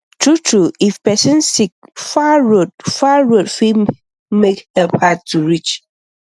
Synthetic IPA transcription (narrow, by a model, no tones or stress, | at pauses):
tʰɹutʰɹuifpɛsə̃nsik̚faɹod̚faɹodfi | mekhɛpʰat̚tʰːuɹit͡ʃ